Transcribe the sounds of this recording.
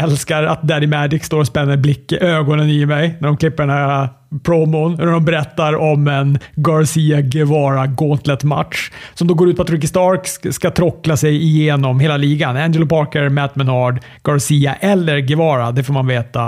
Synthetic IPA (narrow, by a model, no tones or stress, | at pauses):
ɛlskaɾa̰t̪̚d̪æd̪ɪmæd͡ʒɪkst̪oːɾɔspɛnːəɾblɪkːəʔøːɡɔnənɪmɛjnæɖɔmkʰlɪpːəɖɛnhæɾa | pʰɾɔmʊnnæɖ̪ɔmbɛɾɛt̪ːaɾɔmɛnɡɑɾsiːaɡɛvɑːɾaɡɔnt̪ʰlɛt̪ma̰t̪ʂsɔmd̪oːɡoːɾʉt̪pʰat̪ɾɪk̬ːɪst̪ɑɾkskat̪ʰɾɔkːlasɛjɪjeːnɔmɦeːlaliːɡanænd͡ʒɛlʊpʰɑɾkəɾmæt̪mɛnɑɖ | ɡ̥ɑɾsiːaʔɛlːəɾɡɛvɑːɾad̪ɛfoːɾmanveːt̪a